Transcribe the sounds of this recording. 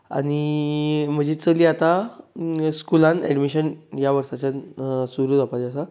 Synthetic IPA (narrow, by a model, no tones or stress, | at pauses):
a̰ñi | m̤əd͡ʑet͡səliat̪a | skulãnɛ̰ɖmiɕənjaʋəɾsat͡ɕansuɾuːd̪apad͡ʑasa